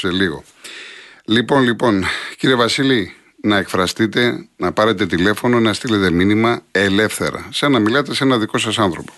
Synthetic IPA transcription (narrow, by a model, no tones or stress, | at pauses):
seliɣo̞̰ | lipo̞nlipo̞nciɾievɐsili | nɐekfɾɐst̪it̪e̞nɐpɐɾe̞t̪e̞t̪ile̞fo̞no̞nɐst̪ile̞t̪e̞minimɐe̞le̞fθe̞̰ɾɐ̰sɐnɐmilɐt̪e̞senɐðiko̞sɐsɐnθɾo̞po̞̥